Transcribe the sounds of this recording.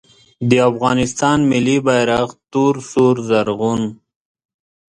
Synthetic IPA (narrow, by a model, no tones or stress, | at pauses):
d̪əafɣɑːnɪst̪ɑnmɪlːibajɾaqt̪uɾsuɾzaɾɣʊn